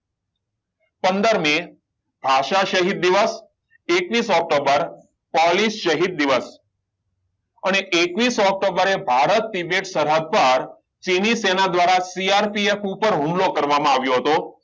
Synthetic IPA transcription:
pənd̪əɾme | bʱaʃaʃəɦid̪̚ːiʋəs | ekʋisɔk̚ʈobəɾ | pɔlisʃəɦid̪̚ːiʋəs | əneʔekʋisɔk̚ʈobəɾebʱaɾət̪̚ːibeʈsəɾɦəd̪̚pəɾ | t͡ʃinisenad̪ʋaɾasiaɾpiefupəɾɦũmlokəɾʋamãaʋjoɦət̪o

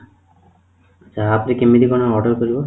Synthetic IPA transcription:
d͡ʒaɦaːpɾikemːid̪ikɔnɔɔɖɔɾkoɾibo

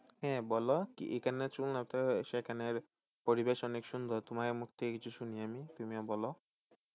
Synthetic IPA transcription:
ɦɛ̃bɔlɔkḭʔekanːat͡ʃulnapt̪ɔʃɛkaneɾ | pɔɾibeʃɔnekʃund̪ʱɔt̪umaɾemukʰt̪ikit͡ʃʰuʃuniamit̪umiɔbɔlɔ

